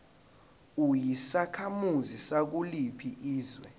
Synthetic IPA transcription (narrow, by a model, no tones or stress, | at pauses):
ujisakʰamuzisak̬ulipʰiʔiːzwɛ̰